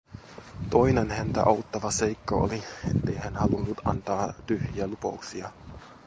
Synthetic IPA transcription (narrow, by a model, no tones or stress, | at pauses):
t̪o̞jnenhænt̪æ̰ʔɑut̪ːɑʋɑse̞jkːɑo̰liet̪ːe̞jhænhɑlunːut̪ɑ̰nt̪ɑːt̪yhjiælupɑ̰uksiɑ